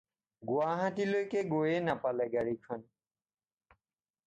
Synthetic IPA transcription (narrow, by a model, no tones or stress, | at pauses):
ɡuaɦãtilojkeɡojenapalɛɡaɹikʰɔn